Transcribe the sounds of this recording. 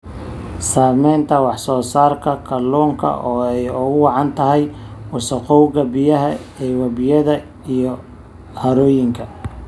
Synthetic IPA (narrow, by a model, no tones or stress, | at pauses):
saːmɛnt̪ʰɐwɑħsɔːsaːrkʰɐkʰɐlɔːŋkʰɐ̰ʔɔːɛjʊɣʊwɑʕɑnt̪ʰɐɦɛjwʊsɐqɔwɣɐbɪjɐɦɐɛwɐbɪjɐðɐ | ijɔ | hɐɾɔːjɪŋkʰɐ